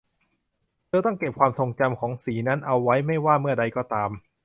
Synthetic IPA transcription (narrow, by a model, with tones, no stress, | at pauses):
t̪ʰɤː˧t̪ɔ˥˩ŋke˨˩p̚kwaː˧mt̪ʰo˧ŋt͡ɕa˧mkʰɔː˩˦ŋsiː˩˦na˦˥nʔa˧wːa˦˥jma˥˩jwaː˥˩mɯ˥˩ɐda˧jkɔː˥˩t̪aː˧m